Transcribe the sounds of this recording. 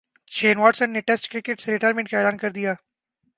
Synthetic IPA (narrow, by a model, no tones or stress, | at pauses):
t͡ʃʰeːnʋaːʈsənːeʈɛsʈkɾɪkeʈseɾɪʈaːɾmẽɳʈ̚kaeːlaːnkɐɾd̪ijaː